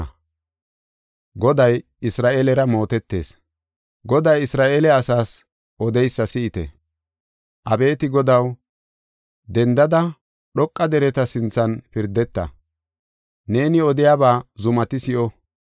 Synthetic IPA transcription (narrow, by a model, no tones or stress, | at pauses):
ɡɔd̪ɐj | ɪsɾaːʔelɛɾɐmo̞ːt̪ɛt̪ːe̞̰ːs | ɡɔd̪ɐjɪsɾaːʔelɛɐsaːs | ʔɔd̪ɛjsːɐsɪɪt̪ɛ̰ | ʔɐbe̞ːt̪ɪɡɔd̪ɐw | d̪ɛnd̪ɐd̪ɐ | ɗɔkʼːɐd̪ɛɾɛt̪ɐsɪnt͡sːɐnpɪɾd̪ɛt̪ːɐ̰ | ne̞ːnɪɔd̪ɪjaːbaːzʊmɐt̪ɪsɪʔɔ